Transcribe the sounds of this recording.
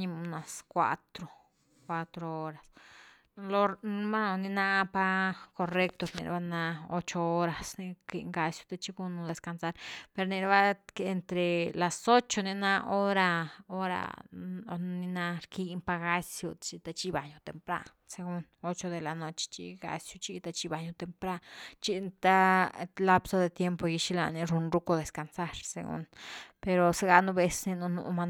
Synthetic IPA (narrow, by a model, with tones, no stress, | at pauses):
ɲi˧mu˧na˨skʷa̰˧t̪ɾo˨ | kʷa˧t̪ɾo˧o˦ɾa˨s | lo˧ma˦no˧nĩ˧na˦pa˦ko˧re˦˧k̚t̪o˧ɾnḭ˧ɾ̰ba˦˧na˧o˦t͡ʃo˧o˦ɾa˨sni˧ki˧ŋɡa˧sjo̥˧t̪a˧t͡ʃi˧ɡu˦nu˧d̪e˧ska˧nsa˦ɾpe˧ɾni˧ɾba˦ke˧nt̪ɾe˨la˨so˦t͡ʃo˧ni˧na˦o˦ɾa˧o˦ɾa̰˧o˧ni˧na˦ɾki˧mpa˧ɡa˧˦sjo˧t͡ʃi˧t̪a˧t͡ʃi˧ba˨ɲu˧t̪e˨mpɾa̰˦ | se˧ɡu˦no˦t͡ʃo˧d̪e˨la˨no˧t͡ʃe̥˧t͡ʃḭ˧ɡa̰˧sjo˧t͡ʃi˧t̪a˧t͡ʃi˧ba˨ɲo˧t̪e˨mpɾa˦t͡ʃi˧t̪a˦la˦pso˧d̪e˧t̪je˦mpo˧ji˧ʃi˧la̰˧ni˧ɾu˧nɾu˦ko˧d̪e˨ska˨nsa˦ɾsḛ˧ɡṵ˦npe˧ɾo˨se˦ɡa˧nu˧be˧sni˧nu˧nṵ˧ʔma˧n